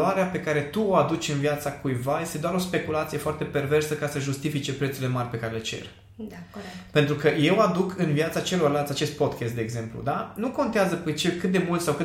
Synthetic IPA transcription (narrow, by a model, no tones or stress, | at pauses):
aɾeape̞kaɾe̞t̪uoad̪ut͡ʃʲɨnviat̪sakujvaje̞st̪e̞d̪oaɾo̞spe̞kulat̪sije̞foart̪e̞pe̞rve̞rsəkasəʒust̪ifit͡ʃe̞pɾet̪suɾile̞marʲpe̞kaɾe̞let͡ʃe̞̰r | pe̞nt̪ɾukəje̞wad̪ukʰɨnviat̪sat͡ʃe̞lo̞rlalt̪ʲat͡ʃe̞st̪̚po̞d̪kest̪̚d̪eːɡze̞mplṵd̪anuko̞nt̪eazəpet͡ʃelkɨt̪̚d̪emult̪sawkɨt̪